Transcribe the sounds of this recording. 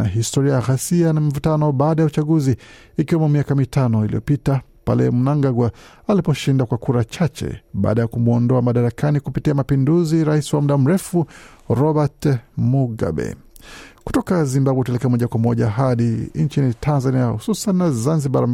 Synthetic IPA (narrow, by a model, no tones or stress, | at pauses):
naɦistɔɾiajaɣasianamivutanɔɓaːɗajaut͡ʃaɠuziː | kiwɛmɔmiakamitanɔilḭjɔ̰pitapa̰lɛ̰munaŋɡaɡwa | alipɔʃindakwakuɾat͡ʃat͡ʃɛ̰ɓa̰ːɗajakumuɔndɔamaɗaɾakanikupitiamapinduziɾaisiwamuɗam̩ɾɛfu | ɾɔɓatmuɡa̰ɓɛ̰ | ku̥tɔkazimbawɛutalɛkɛamɔʄakwamɔʄaɦaɗint͡ʃinitʰanzaniahususannazanziɓaɾam